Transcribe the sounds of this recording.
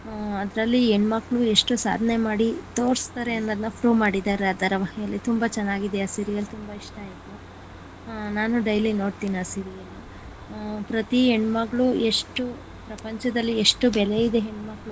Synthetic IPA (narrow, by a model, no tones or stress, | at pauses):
ɐd̪ɐɾɐlːieɳmɐkːɭue̞ʂʈusa̰ːd̪ʱɐne̞maːɽit̪o̞ːɾst̪aɾeɐnːɐd̪ɐnːɐpʰɾuːmaːɽid̪aːɾeɐd̪ɐɾɐʋɐɦjɐlːit̪umbɐt͡ʃɛnːaːɡid̪eɐsiɾijɐlt̪umbɐiʂʈɐjt̪u | naːnuɖɐjlino̞ːɽt̪iːniɐsiɾijɐlu | pɾɐt̪ieɳɖmɐɡɭue̞ʂʈu | pɾɐpɐɲt͡ʃɐd̪ɐlːieʂʈubɛlejid̪eɦeɳmɐkɭu